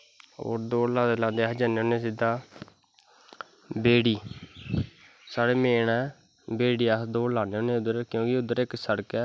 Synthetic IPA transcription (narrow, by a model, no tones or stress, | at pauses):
o̰ːɾd̪oːlãːd̪elãːd̪eːəd͡ʒəneːoːneːsɪd̪aː | beːɽiː | saːɽeːmeːɳɛː | beːɽiːəd̪oːlaːneoːneːʊd̪əɾkjõːkɪʊd̪ːəɾɪksəɽəkɛː